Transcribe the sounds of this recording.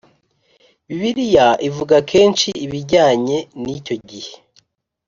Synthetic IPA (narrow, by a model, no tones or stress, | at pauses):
βiβiɾijaʔivuɡakʰe̞ːnt͡ʃiːβiɟaːɲe̞nico̞ɟihe̞